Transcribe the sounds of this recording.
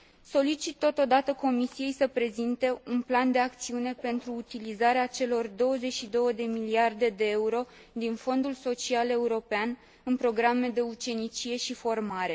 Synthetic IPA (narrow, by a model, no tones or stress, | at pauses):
so̞lit͡ʃit̪ːo̞t̪o̞d̪at̪əko̞misije̞jsəpɾe̞zint̪e̞unpland̪e̞ak̚t̪siune̞pe̞nt̪ɾuːt̪ilizaɾeat͡ʃe̞lo̞rd̪o̞wəze̞t͡ʃʲʃid̪o̞wəd̪e̞miliard̪e̞d̪e̞euɾo̞ | d̪info̞nd̪ulso̞t͡ʃiale̞uɾo̞pean | ɨnpɾo̞ɡɾame̞d̪e̞ut͡ʃe̞nit͡ʃije̞ʃifo̞rmaɾe̞